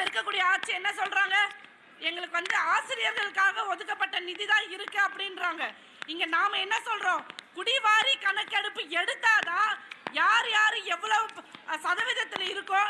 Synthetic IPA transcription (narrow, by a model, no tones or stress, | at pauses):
ɪɾɯkːɐkːuːɽɪjɐaːʈ̚t͡ʃiɛnːɐsɔlɾaːŋɡɐ | ɛŋɡɐɭɯkːɯʋɐnd̪ɯaːsɪɾɪjɐɾɣɐɭɯkːaːɣɐɔðɯkːɐpːɐʈːɐnɪðiðãːɪɾɯkːɐ̃ɐpːɐɽɪnɾaːŋɡɐ | ɪŋɡɐnaːmɐɛnːɐsɔlɾõːkʊɽɪʋaːɾikɐɳɐkːɛɽɯpːɯɛɽɯt̪ːaːt̪ãːjaːɾjaːɾɯɛʋːɐɭɐʋɯ̃sɐðɐʋɪðɐt̪ːɪlɪɾɯkːõː